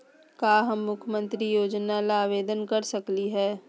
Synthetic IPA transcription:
kaːɦɐmːʊkʰjəmə̃nt̪ɾijoːd͡ʒnalaːʋeːd̪ənkɐɾsɐkliɦɛː

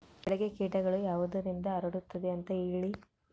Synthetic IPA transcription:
ɛɭɐɡekiːʈɐɡɐɭujaːʋud̪ɐɾind̪ɐːɾɐɽut̪ːɐd̪eɐnt̪ɐiɭi

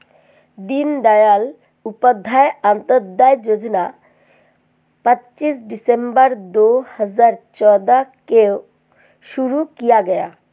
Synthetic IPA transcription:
d̪ind̪ajal | upəd̪ʱajant̪əɾd̪ːajd͡ʒod͡ʒɔna | pətːt͡ʃisɖisembəɾd̪ohəzaɾt͡ʃɔd̪ake | ʃuɾukijaɡɛja̰

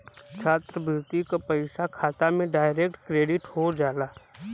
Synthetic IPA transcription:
t͡ʃʰaːt̪ɾəbʱɪɾt̪ikapəɪsakʰaːt̪amẽɖaːɪɾeːk̚ʈkɾeːɖɪʈhod͡ʒaːlaː

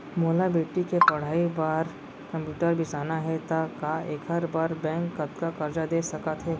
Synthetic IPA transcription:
moːlabeːʈikepɐɽ̤aːibaːɾ | kɐ̃mpjuːʈəɾbʱisaːnaɦɛt̪akaeːkɦɐɾbaːɾbɛ̃ːŋkːɐt̪kakɐɾd͡ʒad̪eːsɐkat̪ɦɛː

